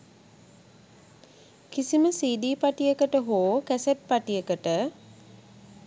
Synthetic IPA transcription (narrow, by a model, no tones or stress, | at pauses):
kisiməsiːɖiːpaʈijəkəʈəɦoːkæseʈ̚paʈijəkəʈə